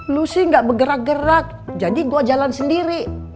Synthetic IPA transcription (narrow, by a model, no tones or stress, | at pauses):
lusiŋɡaʔbəɡəɾak̚ɡəɾak̚d͡ʒadiɡuad͡ʒalansəndiɾi